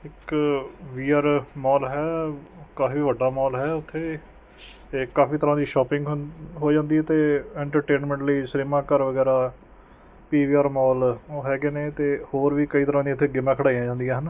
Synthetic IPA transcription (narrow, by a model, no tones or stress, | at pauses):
ɪk | ʋiːaːɾmɔːlɦɛːkaːfiːʋəɖaːmɔːlɦɛːʊt̪ʰːeː | kaːfiːt̪əɾãːd̪iːʃɔːpɪ̃ŋɡɦɦoːd͡ʒãːnd̪iːɛːt̪eːɛ̃ːɳʈəɾʈeːnmɛ̃ɳʈləiːsɾiːmãːkəɾʋəɡɛːɾaː | piːʋiːaːɾmɔːlɦɛːɡeːneːt̪eːhoːɾʋiːkəiːt̪əɾãːd̪iːət̪ʰːeːɡɪmãːkʰəɽaːiãːd͡ʒãːnd̪ijãːɦən